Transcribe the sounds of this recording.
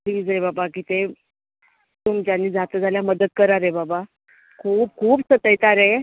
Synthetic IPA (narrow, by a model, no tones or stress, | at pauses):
pliːd͡zebabakiːt̪ẽ | t̪umd͡ʑjanːiːd͡zʱat̪əd͡zʱaljaməd̪əd̪̚kəɾaɾebaba | kʰuːp̚kʰuːpsət̪əjt̪aɾe